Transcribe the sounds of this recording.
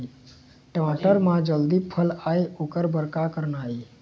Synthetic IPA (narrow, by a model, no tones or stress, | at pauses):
t̪eʋ̤ãʈəɾmad͡ʑəld̪iːpʰəlaeukəɾbəɾkakəɾɳaɦe